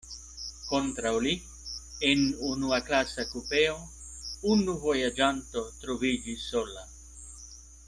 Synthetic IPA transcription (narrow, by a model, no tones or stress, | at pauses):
kont̪ɾawli | enunuaklasakupeo | unuvojad͡ʒant̪ot̪ɾovid͡ʒisola